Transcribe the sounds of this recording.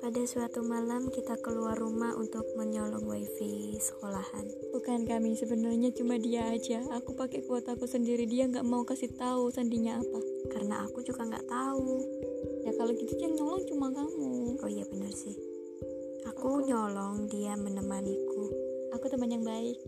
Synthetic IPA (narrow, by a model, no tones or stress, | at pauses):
padasuat̪umalamkit̪akəluarːumaʔṵnt̪ʊk̚məɲɔlɔŋwaifesə̥kolahanbukankamisəbənərɲat͡ʃumadiaːd͡ʒaːkupakekuat̪akusəndiɾidiaŋɡaʔmaukasit̪ausandiɲaːpakaɾəna̰ʔa̰kud͡ʒuɡaŋɡa̰ʔt̪aujakalokit̪ud͡ʒiaŋɲɔlɔŋt͡ʃumakamuoijabənərsɪh | akuɲolɔŋdiamənəmanikuakut̪əmaɲaŋbaɪk̚